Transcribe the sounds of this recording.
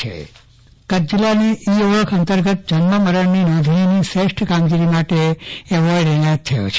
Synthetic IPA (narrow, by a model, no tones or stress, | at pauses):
ḛ | kət̪̚d͡ʒilaneʔioʋəkʰənt̪əɾɡət̪̚d͡ʒənməməɾəɳninɔd̪ʱiiniseʃʈʰkamɡiɾimaʈeeʋɔiɖɛajət̪ʰːəjo̰t͡ʃʰe